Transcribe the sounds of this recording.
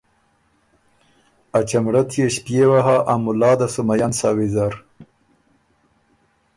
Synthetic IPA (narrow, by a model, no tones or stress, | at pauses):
at͡ʃamɽat̪ʰjeɕpjewaɦaʔamʊlɑːd̪asumajansɑːwizaɾ